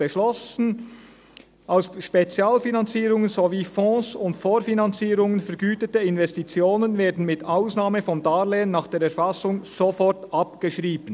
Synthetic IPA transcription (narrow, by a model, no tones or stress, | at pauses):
əʃlɔsn̩ | ʔaʊsʃpet͡sjaːlfinɑnt͡siːɾʊŋənzoviːfɔ̃ːsʊntfoːɾfinɑnt͡siːɾʊŋənfɛɐɾɡyːtətəɪnvɛstit͡sjoːnənveːdn̩mɪtaʊsnaːməfɔmdaːleːənːaːχd̥eːɾɛɐfɑsʊŋz̥ofɔrtʔɑpɡ̥əʃʁiːbən